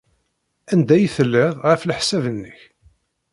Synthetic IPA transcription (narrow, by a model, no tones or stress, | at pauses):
ænd̪æjiθəlːɪʁʁəflħsævənːəç